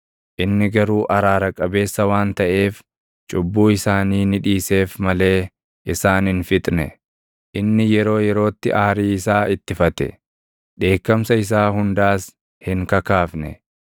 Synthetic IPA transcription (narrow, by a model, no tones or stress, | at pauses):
ʔɪnːɪɡɐɾuːʔɐɾaːɾɐkʼɐbe̞ːsːɐwaːnt̪ɐʔe̞ːf | t͡ʃʼʊbːuːɪsaːniːnɪᶑiːse̞ːfmɐle̞ː | ʔɪsaːnɪnfɪt̪ʼnɛ̰ | ʔɪnːɪjɛɾo̞ːjɛɾo̞ːt̪ːɪʔaːɾiːɪsaːɪt̪ːɪfɐt̪ɛ̰ | ᶑe̞ːkːɐmsɐɪs̬aːhʊnd̪aːs | hɪŋkɐkaːfnɛ̰